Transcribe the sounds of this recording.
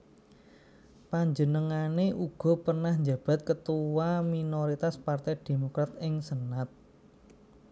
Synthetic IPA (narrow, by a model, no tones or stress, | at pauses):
paɲd͡ʒənəŋaneʔuɡ̥ɔ̤pərnahɲd͡ʒa̤b̥a̤t̪̚kət̪uwaminoɾit̪aspart̪ɛjd̥e̤mokɾat̪ɪŋsənat̪̚